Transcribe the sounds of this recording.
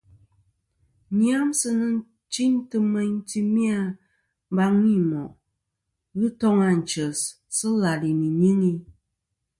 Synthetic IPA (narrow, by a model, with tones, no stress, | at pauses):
ɲi˦a˦msɨ˦nɨ˦n˦ | t͡ʃi˦ɲtɨ˦mɛ˦ɲ˦ti˦mi˦a˦ | m˦ba˦ŋwi˦˨mɔ˨ʔ | ɣɨ˦tɔ˦ŋa˨n̩˨t͡ʃə˨s | sɨ˦la˨li˨mi˨ɲi˦ŋi˦